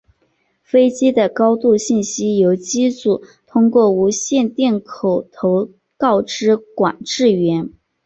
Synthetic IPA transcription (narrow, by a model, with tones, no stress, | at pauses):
fe˥ɪt͡ɕi˥d̪ə˨kɑ˥ʊt̪u˥˧ɕi˥˩nɕi˥jo˧˥ʊt͡ɕi˥t͡su˨˩˦t̪ʰʊ˥ŋkwɔ˥˩u˧˥ɕjɛ˥˧nt̪jɛ˥˩nkʰo˨˩ʊt̪ʰo˧˥ʊ | kɑ˥˩ʊʈ͡ʂɻ̩˥kwa̰˨˩nʈ͡ʂɻ̩˥˩ɥɛ˧˥n